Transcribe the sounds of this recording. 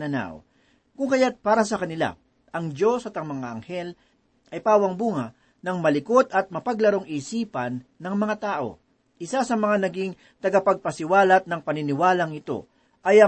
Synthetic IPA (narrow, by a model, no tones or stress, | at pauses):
nɐna̰o̰ | kʊŋkɐjat̪̚paːɾɐsɐkɐnɪla̰ | ʔɐŋd͡ʒo̞sɐt̪ɐŋmɐŋaʔɐŋhɛl | ʔɐjpaːwɐŋbuːŋɐ | nɐŋmɐlɪko̞t̪ɐt̪̚mɐpɐɡlɐɾo̞ŋiːsiːpɐnːɐŋmɐŋat̪aːʔo̞̰ | ʔɪsasɐmɐŋanɐɡiŋ | t̪ɐɡapɐɡ̚pɐsɪwaːlɐt̪̚nɐŋpɐnɪnɪwaːlɐŋɪt̪o̞̰ | ʔɐjɐ